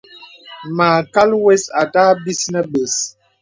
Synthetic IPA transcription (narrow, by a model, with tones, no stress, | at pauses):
maː˨ka˦lwɛ˦sa˨ta˦bi˦snə˦be˨s